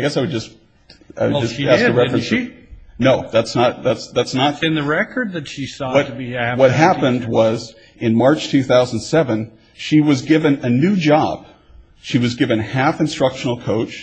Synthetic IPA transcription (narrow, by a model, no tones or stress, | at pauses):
aɪɡɛsaɪwɨd̚d͡ʒʌs | a̰ɪwɨd͡ʒʌsæsəɹɛfɹɨnʃinoʊðætsnət̪̚ðætsðætsnət̚ɨ̃nðɨɹɛkə˞d̪̚ðɨtʃisɔʌtwʌt̚ɦæpɨ̃nd̚wʌz | ɨ̃nmɑɹt͡ʃtʰʉθaʊz̃n̩sɛvɨ̃n | ʃiwʌzɡɪvɨ̃nɨnʉd͡ʒɑb̥ | ʃiwʌzɡɪvɨ̃nhæfɨ̃nstɹ̥ʌkʃn̩l̩ˠkʰoʊt͡ʃ